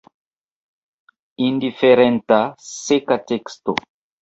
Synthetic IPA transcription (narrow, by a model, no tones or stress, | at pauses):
indifeɾɛ̃ntasekatɛksto̰